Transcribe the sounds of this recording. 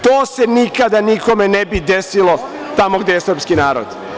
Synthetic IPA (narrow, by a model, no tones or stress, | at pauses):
t̪oːsenikad̪aniko̞menebid̪esilo | t̪amo̞ɡd̪ejesr̩ɾpskinaːɾo̰d̪